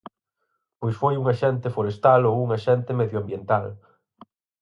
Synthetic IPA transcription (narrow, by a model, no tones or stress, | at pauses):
pojsfojuŋaʃɛnt̪efoɾest̪alouŋaʃɛnt̪emeðjoambjent̪al